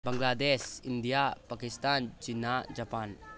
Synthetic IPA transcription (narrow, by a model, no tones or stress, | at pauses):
baŋɡlad̪ɛsind̪ijapakist̪ant͡ʃinad͡ʒapan